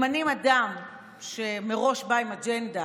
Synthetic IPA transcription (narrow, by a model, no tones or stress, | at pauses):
manimad̪am | ʃe̞meʁo̞ʃbaimad͡ʒend̪a